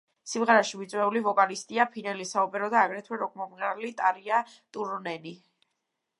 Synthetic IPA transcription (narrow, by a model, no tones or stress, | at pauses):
simʁɛɾaʃivit̪sʼwɛulivɔkʼalist̪ʼiapʰinɛlisaɔpʼɛɾɔd̪aːɡɾɛt̪ʰwɛɾɔkʼmɔmɾalit̪ʼaɾia | t̪ʼuɾnɛni